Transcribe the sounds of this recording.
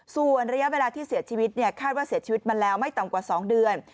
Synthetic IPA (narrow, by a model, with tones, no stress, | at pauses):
su˨˩ənɾa˧ja˦˥ʔweː˧laː˧t̪ʰiː˥˩siː˨˩˦ət͡ɕʰiː˧wi˦˥t̪̚ni˥˩ɐkʰaː˥˩t̪̚waː˥˩si˨˦t̚t͡ɕiː˧wi˥t̪̚ma˧nlɛː˦˥wma˥˩jt̪a˨˩mkwaː˨˩sɔː˩˦ŋdɯ˧ən